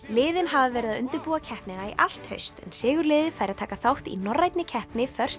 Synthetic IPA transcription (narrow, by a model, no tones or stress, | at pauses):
lɪːðɪnɦavavɛːɾɪðaðʏnt̪ɪɾpuːacʰɛhpnɪnaḭʔal̥t̪hœ̰ɥst̪ɛ̰nsɪːɣʏɾlɪːðɪfajɾaðt̪ʰaːkaθawht̪ḭnɔrːajt̪nɪcʰɛhpnɪfœr̥s